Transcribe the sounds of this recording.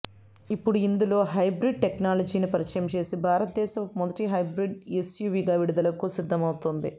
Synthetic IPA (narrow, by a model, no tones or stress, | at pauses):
ipːuɽuind̪ulo̞ːɦɐjbɾiɖ̚ʈeknaːlɐd͡ʒiːnipɐɾit͡ʃɐjɐmt͡ʃe̞ːsibʱaːɾɐt̪ɐd̪ɛːʃɐmmːɔd̪ɐʈiɦɐjbɾiɖesjuːʋiːɡaːʋiɽud̪ɐlɐkusid̪ʱːɐmɐwt̪ond̪ḭ